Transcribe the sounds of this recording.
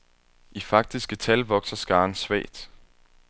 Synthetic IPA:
ʔifɑ̈ɡ̥̚d̥isɡ̥ət͡sʰælʋɒ̽ɡ̥sɐsɡ̥ɑ̈ːnsʋɛ̰ːɪd̥

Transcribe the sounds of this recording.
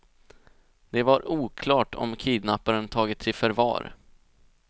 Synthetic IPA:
d̪ɛvaɾuːkʰlɑːʈʰɔ̰mkʰiːd̪napːaɾənt̪ʰɑːɡɪt̪sɪfœɾvɑ̰ːɾ

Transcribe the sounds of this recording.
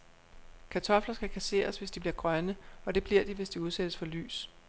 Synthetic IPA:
kʰæt͡sʰɒ̽flɐsɡ̥ækʰæse̝̰ːɐsʋe̝sd̥ibliɐɡ̥ʁɶnəɒ̽d̥e̝b̥liɐ̰d̥iʋe̝sd̥iuð̞ˠsed̥əsfɒ̽ly̰ːs

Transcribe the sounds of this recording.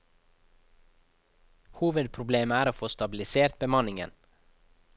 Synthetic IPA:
huːʋəd̪̚pʰɾʊbleːməæːɾoːfoːst̪ɑbɪl̩ɪseːɾt̪̚bəmɑnɪŋə̰n

